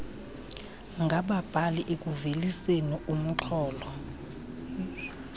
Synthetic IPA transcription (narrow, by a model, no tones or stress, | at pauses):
ŋɡʱaɓab̥ʱaliʔek̬ʼuvelisenium̩ǁʰɔːlɔ